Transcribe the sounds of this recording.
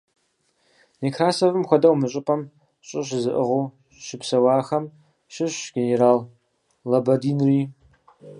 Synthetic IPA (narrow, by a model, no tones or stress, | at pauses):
nikʰraːsovɨmxʷɔdɐwmɨɕʼɪpʼɐm | ɕʼɪɕ̬ɪzɨʔəʁo | ʃɪpʰsɐwɑːxɐm | ʃɪɕɡ̥ʲeneɾaːl | lɐbɐdiːnriː